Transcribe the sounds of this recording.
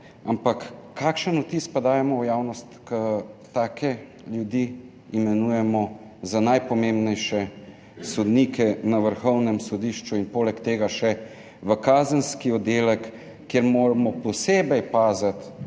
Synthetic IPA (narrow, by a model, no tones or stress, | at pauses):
ampakːaːkʃənut̪ispad̪aːjɛmɔwjaːwnɔst̪kət̪aːkʰɛ | ljud̪i | imɛnuːjɛmɔ | zanajpɔmembnɛjʃɛ | sɔd̪niːkɛnaʋəɾxɔwnɛmsɔd̪iʃt͡ʃuinpoːlɛkt̪eːɡaʃɛ | ʋəkaːzənskiɔd̪eːlɛkː | eɾmoːɾamɔpɔseːbɛjpaːzat̪